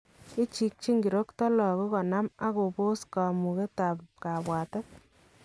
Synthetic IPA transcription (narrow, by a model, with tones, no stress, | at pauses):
i˦t͡ʃi˦k̚t͡ʃi˦ŋɡi˨ɾo˦ktɔ˦lɔ˨ko˦kɔ˨na˦ma˦ko˨po˦ska˨mu˨ke˦ta˨pka˨bwa˨te˦